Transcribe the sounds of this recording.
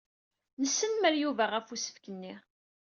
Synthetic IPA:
nəsːənməɾjuvæʁæfusə̥fkənːi

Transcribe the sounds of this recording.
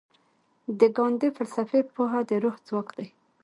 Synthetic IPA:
d̪əɡɑnd̪efalsafepuɦad̪əɾoxzwɑkd̪aj

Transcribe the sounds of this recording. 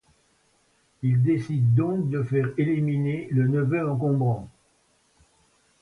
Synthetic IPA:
ild̪esid̪ːɔ̃k̚d̪əfɛʁeliminelənəvøɑ̃k̬ɔ̃bʁɑ̃

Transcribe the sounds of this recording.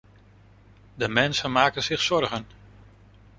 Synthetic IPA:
dəmɛnsənmaːkənzɪχsɔrɣən

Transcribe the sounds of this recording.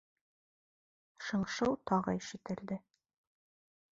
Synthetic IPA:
ʃɤ̆ɴʃɤwt̪ɒʁɤ̰iʃit̪ɘ̆ɾd̪ɘ

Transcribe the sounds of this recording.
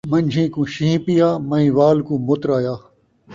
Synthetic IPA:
mɐ̃ɲʲd͡ʑʱĩːkũːɕĩĩpijaːmɐĩːʋaːlkũːmʊt̪ɾaːjaː

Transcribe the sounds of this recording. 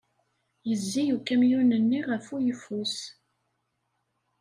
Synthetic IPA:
jəzːijukːæmjunənːiʁəfujəfus

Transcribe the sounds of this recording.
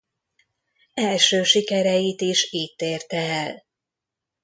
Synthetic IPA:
ɛlʃøːʃikɛɾɛjit̪iʃiːt̪ːeːrt̪ɛɛl

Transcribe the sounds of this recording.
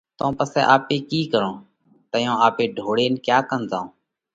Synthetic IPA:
t̪õːpəsɛ̰ːʔaːpeːkiːkəɾõː | t̪əjõːaːpeːɖʱoːɽeːnkjaːkənzãːõː

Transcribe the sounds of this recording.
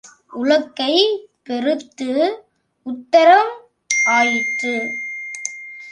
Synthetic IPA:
ʊɭɐkːɐɪpɛɾɯt̪ːɯ | ʊt̪ːɐɾɐm | aːjɪʈːɯ

